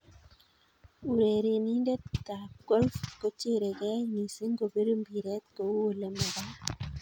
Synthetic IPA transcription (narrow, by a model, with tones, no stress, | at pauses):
u˨ɾe˨ɾe˨ni˦nde˦ta˨ɡ̥o˦lfko˦t͡ʃe˦˨ɾe˨kɛ˦ŋi˨se˦ŋɡo˨be˦ɾo˦mbi˨ɾɛ˦t̪ko˨˦o˨le˨mɛ˨ɾa˦